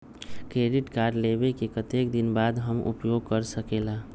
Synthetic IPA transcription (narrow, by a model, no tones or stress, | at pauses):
kɾeɖiʈkaɾɖlebekekət̪ekd̪inbad̪ɦəmʔṵpjoɡ̚kəɾsəkela